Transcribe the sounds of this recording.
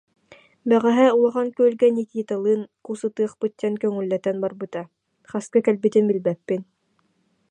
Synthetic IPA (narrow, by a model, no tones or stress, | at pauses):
bæʁæɦɛulˠɑʁɑnkøœlɡɛnikiːt̪alˠɯːnkusɯt̪ɯːχpɯt̪ʲːɛnkœŋylːɛt̪ɛnbaɾbɯt̪a | χaskakɛlbit̪inbilʲbɛpːin